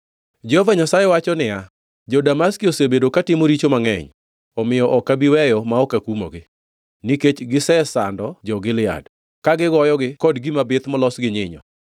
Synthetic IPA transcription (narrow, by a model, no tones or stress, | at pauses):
d͡ʒɛhɔvaɲasajɛwat͡ʃɔnɪja | d͡ʒɔdamaskiosebedokatɪmoɾit͡ʃomaŋɛ̰ɲ | ɔmɪjɔʔɔkːabiwɛjɔmaɔkakumo̰ɡɪ | niket͡ʃɡɪsɛsandɔd͡ʒɔɡɪlɪa̰d | kaɡɪɡɔjɔɡɪkɔdɡimabɪt̪mɔlɔsɡɪɲɪɲɔ̰